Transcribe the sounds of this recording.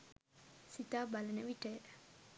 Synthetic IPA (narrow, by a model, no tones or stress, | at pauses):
sit̪abalənəʋiʈə